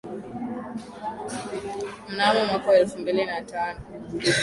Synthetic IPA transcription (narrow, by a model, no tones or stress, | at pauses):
m̩naːmamakɔɛlfumbilinataːnɔ